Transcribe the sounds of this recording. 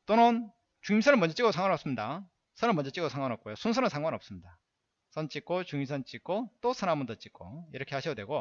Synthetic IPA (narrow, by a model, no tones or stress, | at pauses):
t͈onɯn | t͡ɕuŋimsʰʌnɯɭnmʌnɲd͡ʑʌt͡ɕ͈iɡosʰaŋwanʌps͈ɯmɲida | sʰʌnɯɭmʌnɲd͡ʑet͡ɕ͈iɡosʰaŋwanʌp̚k͈ojosʰunsʰʌnɯnsʰaŋɡwanʌp̚s͈ɯmɲida | sʰʌnt͡ɕ͈ik͈ot͡ɕuŋimsʰʌnt͡ɕ͈ik̚k͈ot͈osʰanamɯntot͡ɕ͈ik͈o̰iɾʌkʰe̞haɕʰijʌdwe̞ɡo